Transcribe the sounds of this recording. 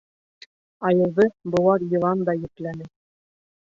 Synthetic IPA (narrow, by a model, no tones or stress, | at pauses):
ɑjɤ̆ðɤbŏlˠɑɾjɤ̆lˠɑnd̪ɑjɘ̆klænɘ